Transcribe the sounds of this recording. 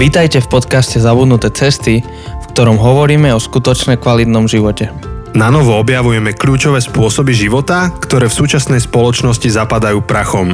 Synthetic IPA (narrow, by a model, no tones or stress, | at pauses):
ʋiːt̪ajcɛfpɔt̪kascɛzabud̪nut̪ɛːt͡sɛst̪i | fkt̪ɔɾɔmɦɔʋɔɾiːmɛɔskut̪ɔt͡ʃnɛkʋalit̪nɔmʒiʋɔcɛ | nanɔʋɔɔbjaʋujɛmɛklʎuːt͡ʃɔʋɛːspʊɔsɔbiʒiʋɔt̪akt̪ɔɾɛːfsuːt͡ʃasnɛjspɔlɔt͡ʃnɔscizapad̪ajuːpɾaxɔm